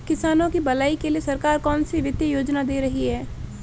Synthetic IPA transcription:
kɪsaːnõkibɐlaːikeliesɐɾkaːɾkɔːnsiʋɪd̪jəjoːd͡ʒnad̪eːɾɐɦiɦɛː

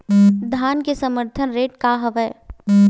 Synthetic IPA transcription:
d̪ʱaːnkesəməɾt̪ʰənɾeːʈkaɦɐʋəj

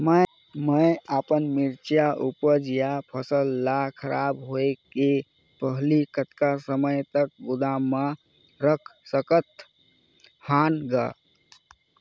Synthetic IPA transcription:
mə | məjapənmiɾt͡ʃjaʔupəd͡ʒijapʰəsəlːakʰəɾʔabɦoeke | pəɦlikət̪kasəməjt̪ək̚ɡud̪amã | ɾəkʰsəkət̪ | hanɡa̰

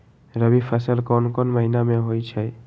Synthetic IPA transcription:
ɹəbipʰasalkɔnkɔnmaɦinamɛɦojt͡ʃʰaj

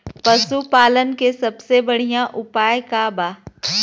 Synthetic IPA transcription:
pɐsupaːlənkesɐbsebɐɽ̤ijãʔʊpaːjkabaː

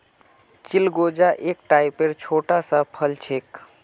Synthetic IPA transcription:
t͡ʃilɡod͡ʒaʔek̚ʈaipeɾt͡ʃʰoʈasə̃pʰəlt͡ʃʰek

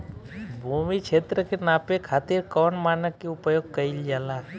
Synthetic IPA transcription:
bʱumit͡ʃʰet̪ɾəkenaːpekʰaːt̪iɾkɔːnmaːnəkːeʊpjoɡkəild͡ʒaːlaɦ

